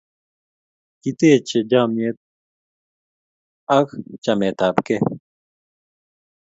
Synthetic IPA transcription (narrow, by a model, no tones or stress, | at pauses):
kit̪eːt͡ɕed͡ʑaːmet̪̚ | ɐkt͡ɕɐmeːt̪aːbke